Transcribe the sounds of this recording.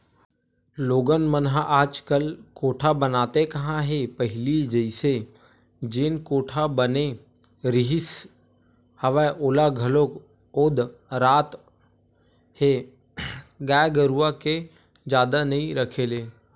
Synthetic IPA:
loːɡənmənɦaʔaːd͡ʒkəlkoːʈʰabənaːt̪ekɐɦãɦepəɦɪlid͡ʒəɪse | d͡ʒenkoːʈʰabəne | ɾɪɦɪs | həʋɛʔoːlaɡʱəlok | oːd̪ɾaːt̪ | he | ɡaːɡəɾuʋake | d͡ʒaːd̪anɐɦĩɾəkʰeleː

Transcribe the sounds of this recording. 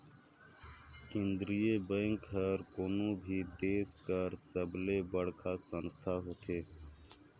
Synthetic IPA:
kend̪ɾijeːbə̃ŋkɦəɾkoːnũːbʱiːd̪eːskəɾsəbleːbəɽkʰaːsənst̪ʰaːɦoːt̪ʰeː

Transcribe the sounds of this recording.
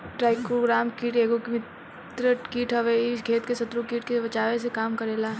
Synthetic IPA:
ʈɾaːɪkɾoɡɾaːmkiːʈeːɡokmɪt | t̪ɾəkiːʈʰɦɐʋeɪkʰeːt̪kesɐt̪ɾukiːʈkebɐt͡ʃaːʋes̬ekaːmkɐɾeːlaː

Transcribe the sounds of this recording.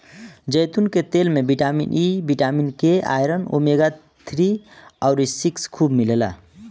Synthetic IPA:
d͡ʒəjt̪unket̪elmebiʈamḭnʔibiʈaminkea̰jɾəno̰meɡa | t̪ʰɾiaʊɾisikskʰubmilela̰

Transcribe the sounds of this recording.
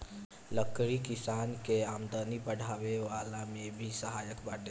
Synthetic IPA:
ləkɾikɪsaːnkeaːmd̪ənipəɽ̤aːʋeʋaːlamẽbʱisəɦaːjəkbaːʈe

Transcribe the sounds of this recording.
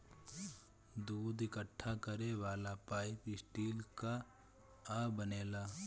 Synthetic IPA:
d̪uːd̪ɪkəʈʰːakəɾeʋaːlapaːɪpɪsʈiːlka | abəneːlaː

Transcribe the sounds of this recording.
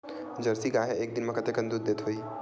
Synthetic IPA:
d͡ʒəɾsiɡaɦeek̚d̪inmekət̪ekənd̪ud̪̚ːet̪ɦoi

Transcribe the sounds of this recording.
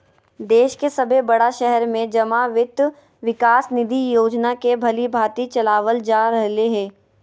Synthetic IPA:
d̪eːʃkesɐbʱebɐɽaʃɛɦɛɾmẽd͡ʒɐmaʋɪt̪ | ʋɪkaːsnɪd̪ʱijoːd͡ʒnakebʱɐlibʱaːt̪it͡ʃɐlaːʋəld͡ʒaːɾɐɦleɦɛ̃ː

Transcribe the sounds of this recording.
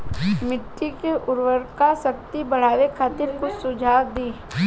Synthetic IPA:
mɪʈːikeʔʊɾʋəɾkasɐkt̪ibəɽ̤aːʋekʰaːt̪ɪɾkʊsʊd͡ʒʱaːd̪iː

